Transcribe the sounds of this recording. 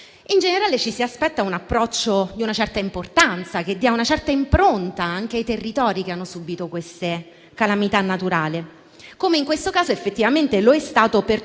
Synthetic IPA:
ind͡ʒeneɾaːlet͡ʃisiaspɛt̪ːaunapːɾɔt͡ʃːod̪iunat͡ʃɛrt̪aimport̪ant̪sak̟ed̪ːiaunat͡ʃɛrt̪aimpɾont̪aaŋk̟eajt̪erːit̪ɔːɾikeanːosubit̪okwest̪e | kalamit̪anːat̪uɾaːle | komeiŋkwest̪okaːzoefːet̪ːivament̪eloɛst̪aːt̪oper

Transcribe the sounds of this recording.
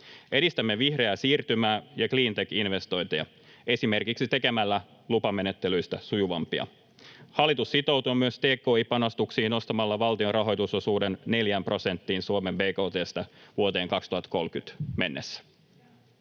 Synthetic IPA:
e̞ɾist̪æmːeʋihre̞æsiːrt̪ymæːjɑkliːnt̪e̞kinʋe̞st̪o̞jt̪ejɑ̰ | e̞sime̞rkiksit̪e̞ke̞mælːæ | lupɑme̞ne̞t̪ːelyjst̪æsujuʋɑmpiɑ̰ | hɑlːit̪usːit̪o̞wt̪uːmyøst̪eːkːo̞ːipɑno̞st̪uksiːno̞st̪ɑmɑlːɑʋɑlt̪io̞nrɑɦo̞jt̪uso̞suːde̞nne̞ljæmpro̞se̞nt̪ːiːnsuome̞mbeːko̞ːt̪e̞ːst̪ɑʋuot̪e̞ːŋkɑkst̪uhɑt̪ko̞lkyt̪me̞nːesːæ̥

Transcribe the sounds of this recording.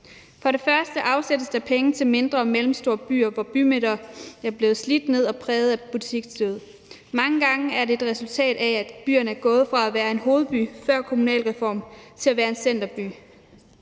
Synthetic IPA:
fɒ̽ɾe̝fɶɐsd̥əʔɑ̈ʊsed̥əsd̥ɑ̈pʰeŋət͡sʰe̝lme̝nd̥ʁɐmelm̩sd̥o̝ɐb̥y̰ːɐʋɒb̥ymeɾ̥ɐæɐb̥le̝ːð̩ˠslid̥ne̝ð̞̰ˠɒ̽pʰʁɛːð̞̩ˠæb̥ut͡sʰiɡ̥sd̥øð̞̩ˠ | mɑ̈ŋəɡ̥ɑ̈ŋəæɐɾe̝e̝d̥ʁɛsult͡sʰɛ̰ːd̥ææ̥b̥y̰ːɐnəæɐɡ̥ɔ̽ːð̞̩ˠfʁɑ̈æʋæːɐe̝nɦo̝ːð̞̩ˠb̥y̰fɶɐ̰kʰo̝munɛ̰ːlʁɛfɒ̰ːmt͡sʰe̝læʋæːɐe̝nsen̰d̥ɐb̥y̰ː

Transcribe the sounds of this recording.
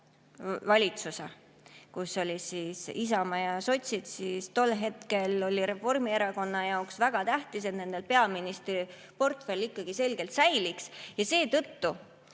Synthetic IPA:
vɑlʲit̪suse | kuso̞lʲisiːsis̬ɑmɑjɑso̞t̪ʲsit̪sist̪o̞lːɦe̞t̪ke̞lo̞lʲiɾe̞fo̞rmie̞ɾɑko̞nːɑjɑoksvæɡ̥ɑt̪æht̪is̬et̪ne̞nd̪̥e̞lpe̞ɑminist̪ri | po̞rt̪fe̞lːikːˑɑɡ̥ise̞lɡ̥e̞lt̪sæjliksjɑse̞ːt̪ɤ̞t̪ːu

